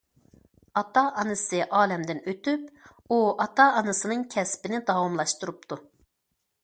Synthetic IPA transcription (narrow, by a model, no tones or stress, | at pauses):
ɑt̪ɑʔɑnɨsɨʔɑːlɛmd̪ɪnøt̪yp | uɑt̪ɑːnɨsɨnɨŋkʲʰɛspɪnɪd̪ɑwɑmlˠɑʃt̪uɾup̚t̪ʰu